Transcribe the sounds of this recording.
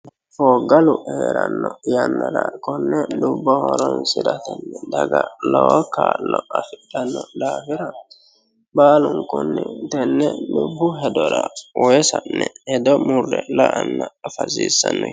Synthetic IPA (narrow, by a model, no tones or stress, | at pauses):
fɔːɡɐlʊeːɾɐnːɔjɐnːɐd̪ɐkɔnːɛɗʊbːɔhɔɾɔnsɪd̪ɐt̪ɛnːɛd̪ɐɡɐlɔwɔkaːlːɔɐfɪɗɐnːɔd̪aːfɪɾɐ | baːlʊŋkʊnːɪt̪ɛnːɛɗʊbːʊɦɛd̪ɔɾɐwʔɔɛsɐnːɛhɛd̪ɔmʊrːɛlɐʔɐnːɐːfɐziːsːɐnːɔ